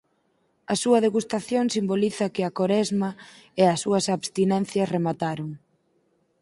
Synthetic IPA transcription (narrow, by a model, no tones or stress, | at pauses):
ɐsuɐðeɣust̪aθjoŋsimboliθɐkɪɐkoɾɛzmɐeɐsːuɐsaβst̪inɛnθjɐsremat̪aɾʊŋ